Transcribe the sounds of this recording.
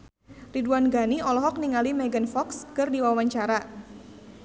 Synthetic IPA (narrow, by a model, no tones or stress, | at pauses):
riduanɡaniɔlɔɦɔk̚niŋalimɛɡənfɔkskɨrdiwawaɲt͡ʃaɾa